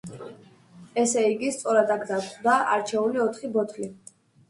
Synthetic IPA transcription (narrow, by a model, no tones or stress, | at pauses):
ɛsɛiɡist̪sʼɔɾad̪aɡd̪at̪χd̪aʔaɾt͡ʃʰɛuliɔt̪ʰχibɔt̪ʰli